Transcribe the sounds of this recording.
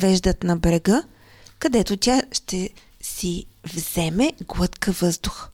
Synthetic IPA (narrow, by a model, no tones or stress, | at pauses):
vɛʒd̪ət̪nɐbɾɛɡə | kɐd̪ɛt̪ot̪ʲaʃt̪ɛ | sivz̥ɛmɛɡlˠɤt̪kəvɤzd̪ʊx